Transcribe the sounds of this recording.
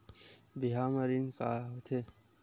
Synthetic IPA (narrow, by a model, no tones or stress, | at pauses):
d̪iɦaməɾinkaɦot̪ʰe